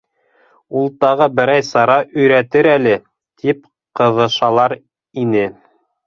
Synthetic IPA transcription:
ulˠt̪ɑʁɤbɘ̆ɾæjsɑɾɑʔɵ̆jɾæt̪ɘɾælɘ | t̪ʰip | qɤ̆ðɤ̆ʃɑlˠɑɾ | inɘ

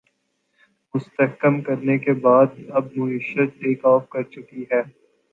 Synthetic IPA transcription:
mʊst̪əhkəmkɐɾnekebaːd̪ɐb̚mʊiʃət̪̚eːkɔːfkɐɾt͡ʃʊkiɦɛː

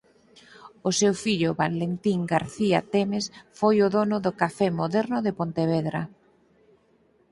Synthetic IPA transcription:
ʊsewfiʎʊβalent̪iŋɡaɾθiat̪ɛmesfojʊðonʊðʊkafɛmoðɛɾnʊðepont̪eβɛðɾa

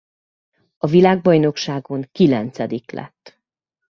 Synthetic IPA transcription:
ɒvilaːɡ̚bɒjno̞kʃaːɡo̞ŋkilɛnt̪sɛd̪iklɛ̰t̪ː

